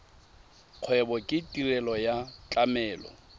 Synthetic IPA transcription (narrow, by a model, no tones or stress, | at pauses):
q͡χʰwɛbɔkʼɪtʼirɛlɔjat͡ɬʼamɛːlɔ̰